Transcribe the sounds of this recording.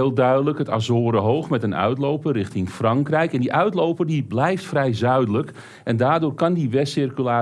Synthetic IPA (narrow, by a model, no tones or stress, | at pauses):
lˠdœɥdələkəta̰zoːɾəɦowxmɛtənœ̰ɥtlowpərɪxtɪŋfrɑŋkrɛjkɛndiʔœɥtlowpərdiblɛjftfrɛjzœɥdələk | ʔɛndaːrdʊːrkɑndiʋɛsɪrkylaː